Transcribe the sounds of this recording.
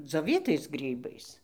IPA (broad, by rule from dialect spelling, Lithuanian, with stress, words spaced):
d͡zʲoːˈʋʲiːtɐɪs ˈɡrʲiːbɐɪs